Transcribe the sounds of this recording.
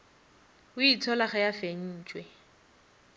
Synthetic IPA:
ʊitʰɔlaχɛjafeɲ̩ːt͡ʃʼwɛ

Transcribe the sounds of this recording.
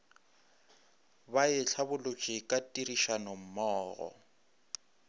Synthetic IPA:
baɪɬʰabʊlʊt͡ʃʼɪkʼatʼiriʃanɔm̩mɔːɣɔ̰

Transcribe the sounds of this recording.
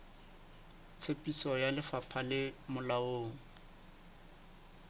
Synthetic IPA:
t͡sʰepʼisɔjalɪfapʰalɪmʊlaoːŋ̩

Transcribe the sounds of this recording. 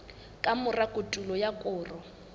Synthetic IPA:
kʼamʊrakʼʊtʼulɔjakʼʊːrɔ

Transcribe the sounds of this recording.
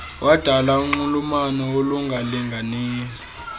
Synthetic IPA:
wʔad̥ʱalauŋ͡ǃulumanɔoluŋɡʱaliŋɡʱaniːlɔ

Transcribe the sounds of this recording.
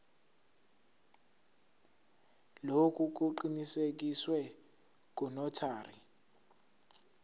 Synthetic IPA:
lokʼuk̬ʼuǃinisek̬iswɛ | k̬ʼɔnɔtʰaːri

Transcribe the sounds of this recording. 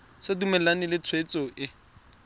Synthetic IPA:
sɪdumɛlanɪlɪt͡sʰwet͡sʼɔʔɪ

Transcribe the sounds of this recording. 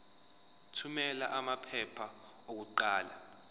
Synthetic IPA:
tʰumɛlaʔamapʰɛpʰa | ok̬uǃaːla

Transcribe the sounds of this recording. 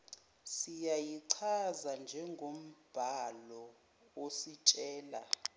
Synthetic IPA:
sijajiǀʰazand͡ʒʱɛŋɡʱom̩b̥ʱalɔ | wosit͡ʃʼɛːla̰

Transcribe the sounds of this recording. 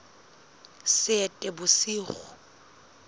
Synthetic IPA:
sɪɛtʼɛbʊsiːχʊ

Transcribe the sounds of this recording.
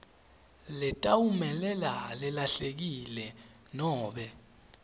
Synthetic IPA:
lɛtʼawumɛlɛla̰lɛlaɬek̬ilɛ | nɔːɓɛ

